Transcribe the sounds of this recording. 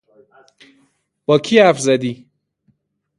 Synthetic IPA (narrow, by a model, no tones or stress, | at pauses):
b̥ɒːkʰiːæfzæd̪iː